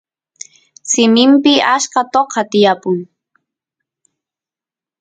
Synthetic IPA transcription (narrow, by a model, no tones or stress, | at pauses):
sɪmɪmpɪaʃkɑt̪oqʰɑt̪ɪjapʊŋ